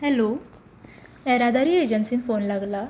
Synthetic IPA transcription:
ɦɛlo | ɛɾad̪aɾiːed͡ʑənsiːnfonlaɡla

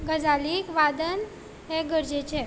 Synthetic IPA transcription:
ɡəd͡zaliːkʋad̪ən | ɦɛɡəɾd͡ʑet͡ɕe

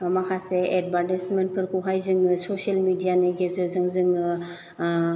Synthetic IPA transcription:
amakʰaseed̚baɾtisment̚kʰɯɾkuɦajzɯŋɯsɔsielmidijanɯɡezɯzɯŋzɯŋɯ

